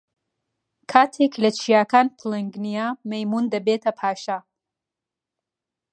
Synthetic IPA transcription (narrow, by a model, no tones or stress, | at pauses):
kʰaːt̪ʰeklɐt͡ʃʰijaːkaːnpʰɨleŋɡnijamejmund̪ɐbeːt̪ʰɐpʰaːʃa